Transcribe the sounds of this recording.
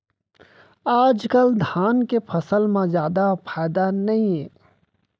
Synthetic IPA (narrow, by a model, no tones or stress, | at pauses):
aːd͡ʒkəld̪ʱaːnkepʰəsəlmãzjaːd̪apʰaːd̪anɐɦĩɦeː